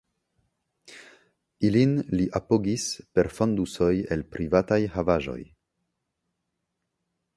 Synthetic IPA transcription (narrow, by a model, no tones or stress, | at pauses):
ilinliʔapoɡispe̞ɾfonduso̞je̞lpɾʔivatajhavaʒo̞̰j